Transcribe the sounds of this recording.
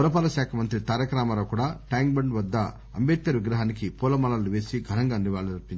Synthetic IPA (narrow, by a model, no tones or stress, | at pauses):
uɾɐpaːlɐʃjaːkʰɐmɐnt̪ɾit̪aːɾɐkɾaːmɐloːkuːɽaːʈaːŋɡbɐɳɖʋɐd̪ːɐ | ɐ̰mbeːt̪̚kɐɾʋiɡɾɐɦaːnikipuːlɐmɐlɐluʋe̞ːsiɡʱɐnɐŋɡaːnːiʋaːɭːuɾɐpːiɲt͡ʃ